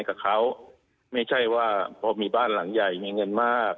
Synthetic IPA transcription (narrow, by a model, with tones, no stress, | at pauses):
jkaː˨˩kʰa˦˥˩w | ma˥˩jt͡ɕʰa˥˩jwaː˥˩pʰɔː˧miː˧baː˥˩nla˩˦ŋja˨˩jmiː˧ŋɤ˧nmaː˥˩k̚